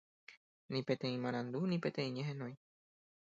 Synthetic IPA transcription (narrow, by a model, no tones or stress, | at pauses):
nĩpe̞t̪ẽ̞ĩmãɾ̃ãnd̪unĩpe̞t̪ẽ̞ĩɲeɦẽnõj̃